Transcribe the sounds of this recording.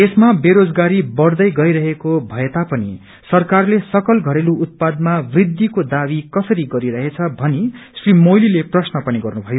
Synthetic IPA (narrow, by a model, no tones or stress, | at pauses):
esmabeɾod͡zɡaɾibʌrd̪ʌjɡʌjɾʌɦekobʱʌjet̪apʌnḭ | sʌrkarlesʌkʌlɡʱʌɾeluut̪̚pad̪mabrid̪ʱːikod̪abikʌsʌɾiɡʌɾiɾʌɦet͡sʰʌbʱʌnisrimojlileprʌsnʌpʌniɡʌrnubʱʌjo